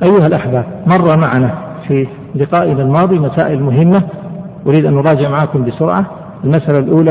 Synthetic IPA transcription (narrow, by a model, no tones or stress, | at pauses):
ʔajːʊhalʔaħbaːb̚mɑrˤːɑmaʕanafi | lɪqɑːʔɪnalmɑːðˤimasa̰ːʔɪlmʊɦɪmːa | ʔʊɾiːd̪ʔanːʊɾˤɑːd͡ʒɪʕmaʕaːkʊmbɪsʊɾʕa | ɪlmasʔalalʔuːla